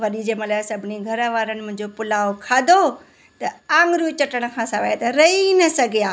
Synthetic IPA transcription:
ʋɐɗid͡ʑeːmɐ̃laːsɐbʱɪniɡʱɐɾəʋaːɾənɪ̃̆mʊ̃ɦɪ̃ɲd͡ʑopʊlaːokʰaːd̪ʱo | t̪ɐãːŋɡɾjut͡ɕɐʈəɽ̃̆kʰãːsaːʋaːjet̪ɐɾɐinɐsɐɡʱijaː

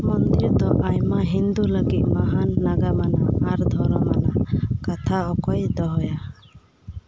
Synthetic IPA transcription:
mɔnd̪iɾd̪ɔʔajmaɦind̪uləɡit̪̚maɦanːaɡamanaːɾd̪ʱɔɾɔmanakat̪ʰaɔkɔjd̪ɔɦɔja

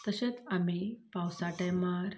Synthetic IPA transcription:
t̪əɕet͡samipawsaʈəjmaɾ

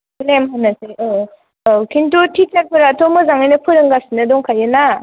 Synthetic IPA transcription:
blemɦanasejɯ | kʰintutʰit͡ʃaɾpʰɯɾatʰɔmɯzaŋajnɐpʰɯɾɯŋɡasinɐdɔŋkʰajɯna

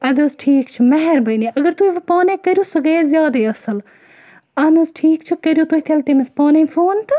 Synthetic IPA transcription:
ɐd̪ɐzʈʰiːkt͡ʃʰumɐɦɛɾbɐjniʔɐɡɐɾt̪uiʋpaːnekɐɾjuːsɨɡɐjezʲjaːd̪iːɐsɐl | ɐnɐzʈʰiːkt͡ʃʰukɐɾjut̪oɦit̪ʰɐlt̪imespaːnẽfʰoːnt̪ɨ

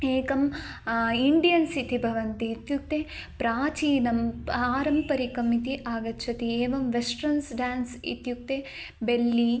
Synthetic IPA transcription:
eːkɐm | iɳɖijɐnsit̪ʰibʱɐʋɐnt̪iːt̪juk̚t̪epɾaːt͡ʃiːnɐmaːɾɐmpɐɾikɐmit̪iʔaːɡɐtːt͡ʃʰɐt̪ieːʋɐmʋesʈɾɐnsɖaːnsḭt̪juk̚t̪e | belːiː

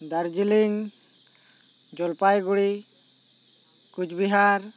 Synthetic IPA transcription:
d̪aɾd͡ʒiliŋ | d͡ʒɔlpajɡuɽi | kud͡ʒbiɦaɾ

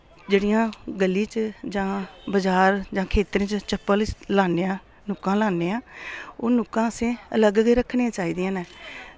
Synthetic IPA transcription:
d͡ʒeːɽijãːɡəlːĩːt͡ʃd͡ʒãːbəd͡ʒaːɾd͡ʒãːkʰeːt̪ɾẽːt͡ʃt͡ʃəpːəllaːneːãː | nʊkːãːlaːneːãːoːnʊkːãːəsẽːələɡɡɾəkʰneːãːt͡ʃaːiːd̪ɪjãːnɛː

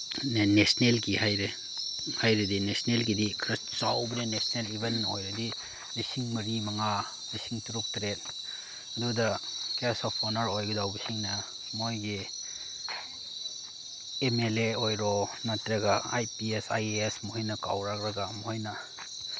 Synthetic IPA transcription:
nnesnelkihajɾe | hajɾidinesnelkidikʰɾɐt͡ʃawbɐninesnelibennojɾɐdi | nisiŋmɐɾimɐŋa | nisiŋtuɾuk̚tɾet̚ | ɐdudɐkesɔpʰonɐɾojɡɐdawbisiŋnɐ | mojɡi | emeleojɾɔmatɾɐɡaa̰jpiesa̰jesmojnɐka̰wɾak̚ɾɐɡamoojnɐ

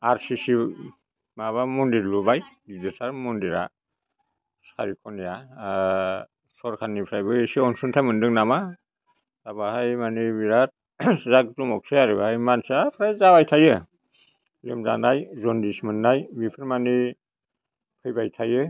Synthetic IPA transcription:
aɾsisi | maβamɔndiɾlubajɡidɯsaɾmɔndiɾa̰ | sa̰ɾikʰɔnja | sɔɾkʰanːipʰɾajbɯesiɔnsuntʰajmɯndɯŋnama | z̥abahajmanibiɾat̚ | zaktumɔk̚sajaɾibaajmansaapʰɾajzabajtʰajɯ | lɯ̰mza̰najzɔndismɯnːajbipʰɯɾmani | pʰɯjbajtʰajɯ

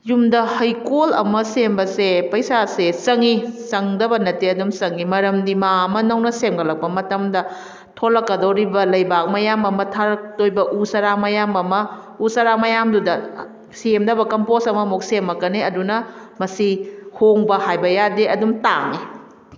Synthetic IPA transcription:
jumdɐhɐjkolɐ̰mɐsembɐsepɐjsasesɐŋisɐŋdɐbɐnɐteɐdumsɐŋimɐɾɐmdimaɐmɐnɐwnɐsemɡɐlɐk̚pɐmɐtɐmdɐ | tʰolɐkːɐdoɾibɐlɐjbak̚mɐjamɐmɐtʰaɾɐk̚tojbɐʔusɐɾamɐjamɐmɐ | usɐɾamɐjamdudɐ | semdɐbɐkɐmposɐmɐmok̚semɐkːɐneɐdunɐ | mɐsihoŋbɐhajbɐjadeɐdumta̰ŋi

